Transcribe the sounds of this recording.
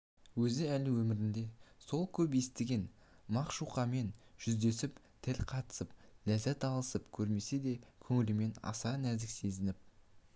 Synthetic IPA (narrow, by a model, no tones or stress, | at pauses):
wɵzɪælɪwɵmɪɾɪnd̪e̞so̞lˠkʲʰɵp̬je̞st̪ɪɡʲe̞n | mɑqʃuqɑme̞nʒ̥ʏzd̪e̞sɪp | t̪ʰɪlʲqʰɑt̪ə̥səp̚læzæt̪ɑlˠəsəpkʲʰɵɾme̞se̞d̪e̞kʲʰɵŋɪlɪme̞nɑ̰sɑnæɾzɪkse̞zɪnɪp̚